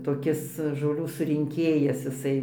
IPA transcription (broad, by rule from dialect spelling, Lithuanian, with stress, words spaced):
toːˈkʲɪs ʒoːˈlʲuː sʊrʲɪŋʲˈkʲeːjɛs ɪˈsɐɪ